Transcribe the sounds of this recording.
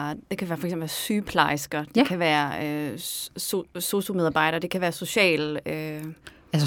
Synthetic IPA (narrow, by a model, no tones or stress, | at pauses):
d̥e̝kʰæʋæːɐfɒ̽ɐɡ̥semb̩l̩ʋæːɐsyːpʰlɑ̈ɪsɡ̥ɐd̥ekʰæʋæːɐøsoso̝someð̞ˠɑ̈ːb̥ɑ̈ɪ̰ɾ̥ɐːd̥e̝kʰæʋæːɐso̝ɕɛ̰ːlø | æs